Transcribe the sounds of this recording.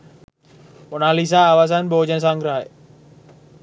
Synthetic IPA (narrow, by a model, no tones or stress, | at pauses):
ʊnaːlis̬ãaːʋaːsanbʱoːd͡ʒəns̬ãŋɡɾəɦḛ